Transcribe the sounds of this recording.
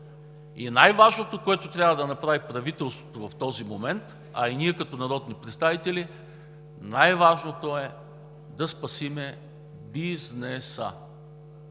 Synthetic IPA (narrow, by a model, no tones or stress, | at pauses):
ḭnajvaʒnot̪okoɛt̪ot̪ɾʲavəd̪ɐnɐpɾavipɾɐvit̪ɛlˠst̪vot̪ovɐft̪ɔzimomɛnt̪ | ɐ̰iniɛkɐt̪ɔnɐɾɔd̪nipɾɛt̪st̪avit̪ɛli | najvaʒnot̪oɛ | d̪ɐspɐsimɛ | biznɛsə̰